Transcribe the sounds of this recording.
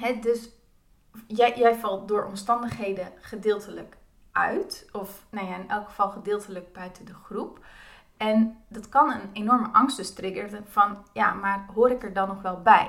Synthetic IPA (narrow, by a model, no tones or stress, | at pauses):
ɦɛdøs | jɛjjɛjvɑlˠt̚dʊːɹʔɔ̰mstɑndəχɦejdəχədɪːlˠtələk | ʔœ̰ɥtɔfnajaɪnʔɛlˠkχə̥v̥ɑlˠχədɪːlˠtələk̚bœɥtədəχrup | ɛndɑtkɑnənenɔɹməʔɑŋstəstrɪɡəɹəvɑnja̰maːrɦoːɾɪkəɹdɑnːɔχʋɛlˠbɛj